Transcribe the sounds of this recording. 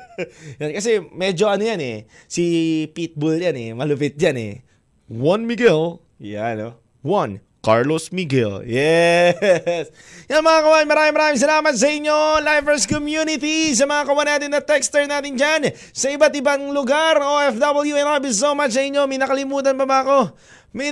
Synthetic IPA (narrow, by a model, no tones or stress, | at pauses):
jonkɐsɛmɛd͡ʒo̞ɐnojanɛ̰sipit̪̚bʊljanɛ̰mɐlʊpɪt̪̚d͡ʒanɛ̰ | wɐnmiɡɛl | jano | wɐn | kaɹlosmiɡɛljɛ | s | jɐmɐŋakɐwamɪŋmɐɾaːmɪŋmɐɾaːmɪŋs̬ɐlaːmɐt̪̚s̬ɐʔɪɲːo̞lajvɛɹskomjunɪt̪is̬ɐmɐŋakɐwanaːt̪ɪnːɐt̪ɛkst̪ɛɹnaːt̪ɪnd͡ʒan | sɐʔɪbat̪ɪbaŋlʊɡaɾoɛfd̪ɐbɛljuɛnaɹbis̬omat͡ʃsɐʔɪɲːo̞mɐjnɐkɐlɪmuːt̪ɐnpɐbɐɐko̞ | mɐ